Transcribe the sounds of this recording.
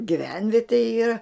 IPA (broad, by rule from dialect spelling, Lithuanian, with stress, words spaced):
ɡʲɪˈʋʲɛnʲʋʲiɛtʲeː ˈiːrɐ